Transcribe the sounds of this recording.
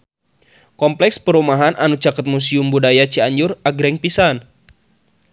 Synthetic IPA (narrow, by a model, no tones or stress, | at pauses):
kɔmplɛkspəɾumaɦanʔanut͡ʃakət̪̚mus̬iumbudajat͡ʃiaɲd͡ʒʊraɡɾɛŋpisan